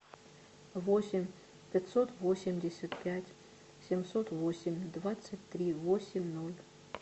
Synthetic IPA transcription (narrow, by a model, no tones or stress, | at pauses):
vosʲɪmʲ | pʲat̪sot̪vosʲɪmʲdʲesʲat̪pʲætʲ | sʲemsot̪vosʲɪmʲd̪vat̪sətʲt̪rʲivosʲɪmʲnolʲ